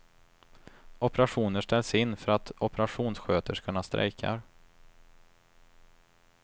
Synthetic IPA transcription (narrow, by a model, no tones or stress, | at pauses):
ɔpəɾaɧuːnəʂʈɛlːsɪnːfœɾat̪ɔpəɾaɧuːnsɧøːt̪əʂkʰɵnːast̪ɾʔɛ̰jkʰa̰ɾ